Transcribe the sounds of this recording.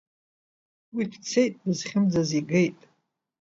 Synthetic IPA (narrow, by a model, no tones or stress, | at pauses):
widʰt͡sʰejtʼdɨzχʲɪmd͡zaziɡejtʼ